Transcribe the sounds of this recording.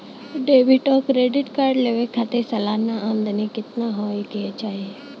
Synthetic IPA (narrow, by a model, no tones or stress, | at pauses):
ɖeːʋɪʈɔːkɾeːɖɪʈkaːɾɖleʋekʰat̪esəlaːnãʔaːmd̪ənikɪt̪naɦoːikɪet͡ʃaːɦie